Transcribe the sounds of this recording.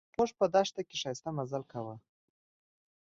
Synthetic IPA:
moʐpəd̪aʂt̪akʲeʂɑjst̪amazalkawa

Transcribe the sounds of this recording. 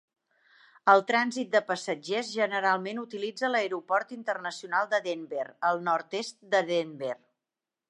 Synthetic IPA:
əlˠt̪ɾanzit̪̚d̪əpəsəd͡ʒezʒənəɾalˠmenut̪ilid͡zələeɾupɔɾt̪int̪ərnəsiunalˠd̪əðemberəlˠnɔɾt̪est̪̚d̪əðember

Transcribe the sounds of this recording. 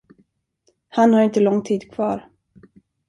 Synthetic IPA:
hanhaɾɪnt̪əlɔŋːt̪ʰiːd̪kʰv̥ɑ̰ːɾ

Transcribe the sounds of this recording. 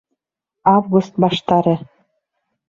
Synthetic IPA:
ɑvɡust̪̚bɑʃt̪ɑɾɤ̆

